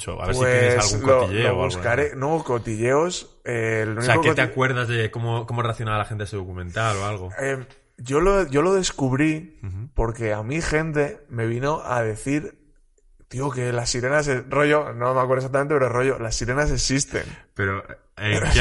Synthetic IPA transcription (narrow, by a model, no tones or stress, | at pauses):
t͡ʃo̰a̰βeɾswieeaslɣuŋloiʎeoβuskaɾenooko̞t̪iʎe̞os | elunieakokeot̪eakwe̞ɾðazðekomokomoreaθjonaβalaxent̪eeseðokumẽnt̪aloalɣoem | ʝo̞loʝo̞lo̞ðe̞skuβɾipo̞ɾke̞amixe̞nt̪e̞me̞β̞ino̞ʔað̞e̞θiɾ | t̪ioke̞lasːiɾe̞nasero̞ʝo̞nomakweɾðs̬ak̚t̪̬ament̪epeɾoro̞ʝo̞lasːiɾe̞nas̬e̞sist̪e̞̰npeɾo | e